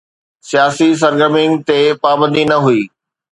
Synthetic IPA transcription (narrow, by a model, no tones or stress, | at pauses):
sijaːsis̬ɐɾɡəɾmɪ̃ŋɡt̪epaːbə̃nd̪ʱinɐɦuiː